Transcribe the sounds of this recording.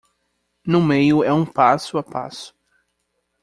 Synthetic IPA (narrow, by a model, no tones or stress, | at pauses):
nʊmejʊɛũpasʊapa̰sʊ̥